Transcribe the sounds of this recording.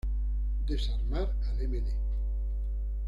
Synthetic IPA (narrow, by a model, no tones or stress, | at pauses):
d̪esaɾmaɾ | alemene